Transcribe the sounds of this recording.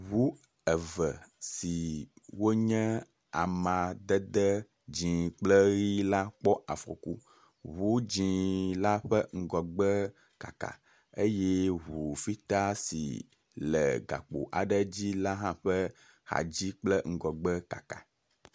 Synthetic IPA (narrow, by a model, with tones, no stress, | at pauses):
ɦu˦ | ɛ˨və˨si˨wo˦ɲɛ̃˦ | a˨mã˨d̪ə˦d̪ɛ˦ | d͡ʑĩ˨k͡plə˦ɣi˦la˦k͡pɔ˦ʔa˨fɾo̰˨ku˦ | βu˦d͡ʑĩ˨la˦ɸɛ˦ŋ̩˦ɡɔ˨ɡ͡bə˦ | ka̰˨ka̰˨ | e˦jɛ˦ɦu˨fi˦t̪a˦sḭ˨ | lə̰˨ɡa̰˨k͡po̰˨ʔa̰˨ɖə˦d͡ʑi˦la˦ɦã˦ɸɛ˦ | ha̰˨d͡ʑi˦k͡plɛ˦ŋ̩˦ɡɔ˨ɡ͡bə˦ka̰˨ka̰˨